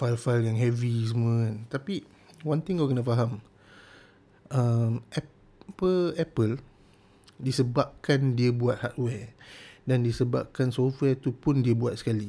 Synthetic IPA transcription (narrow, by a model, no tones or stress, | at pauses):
falfaljaŋɦɛvis̬əmuəant̪api | wãnt̪ɪ̃ŋakənafaɦam | ʔəmʔɛ | pəlɛpəl | disəbap̚kandiəbuat̪̚hat̪̚wɛdandisəba̰p̚kansɔfwɛt̪upʊndiəbuat̪̚sə̥kali